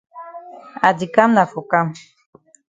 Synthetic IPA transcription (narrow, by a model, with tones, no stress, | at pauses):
a˨di˨ka˦mna˨fo˨ka˦m